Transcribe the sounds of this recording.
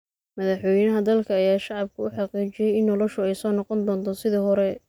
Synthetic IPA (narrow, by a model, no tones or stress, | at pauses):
mɐðɑħwɔjnɐɦɐd̪ɐlkʰɐːjaːʃɑʕɑb̚kʰʊʊħɑqiːt͡ʃɪjɛjɪnːɔlɔʃʊɛjsɔːnɑqɔnd̪ɔːnt̪ʰɔsɪðiːɦɔɾɛ